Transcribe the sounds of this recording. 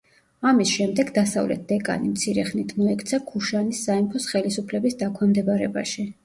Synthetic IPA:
amisʃɛmd̪ɛɡd̪asa̰vlɛ̰t̪̚d̪ɛkʼa̰nimt̪sʰiɾɛχnit̪ʰmɔɛkʰt̪sʰakʰuʃanisːaimpʰɔsχɛlisupʰlɛbisd̪akʰɔnmd̪ɛbaɾɛba̰ʃi

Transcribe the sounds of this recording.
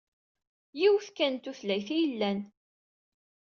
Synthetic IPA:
jiwθkænt̪uθlæjθijəlːæn

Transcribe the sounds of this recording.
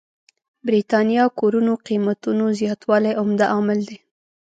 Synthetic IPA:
bɾit̪ɑnjɑkoɾunoqimat̪unozjɑt̪wɑlajʔʊmd̪aʔɑmɪld̪e

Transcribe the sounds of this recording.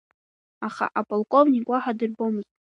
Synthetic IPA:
aχa̰ʔapʼalˠkʼo̞vnʲikʼwaħadɨrbo̞mɨz̥tʼ

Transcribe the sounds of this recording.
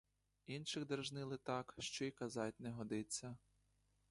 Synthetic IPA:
inʃɪɣd̪erʒnɪlˠɪt̪ɑkʃt͡ʃɔikɐzɑt̚ʲnɛɦɔd̪ɪt͡sʲːɐ

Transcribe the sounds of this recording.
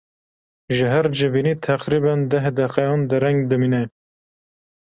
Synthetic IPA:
ʒəɦæɾd͡ʒɨviːniːt̪ʰæqɾiːbænd̪ɛɦd̪ɛqɛjɑnd̪ɨɾɛŋɡd̪ɨmiːnɛ

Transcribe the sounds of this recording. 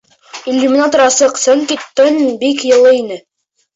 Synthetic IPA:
ilʲːumʲɪnɑt̪ŏɾɑsɤqsɵŋkit̪ːɤnbikjɤ̆lˠɤinɘ

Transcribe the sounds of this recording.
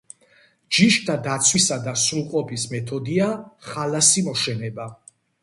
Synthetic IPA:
d͡ʒiʃt̪ʰad̪at̪sʰwisad̪asɾuqʼɔpʰismɛt̪ʰɔd̪iaχalasimɔʃɛnɛba

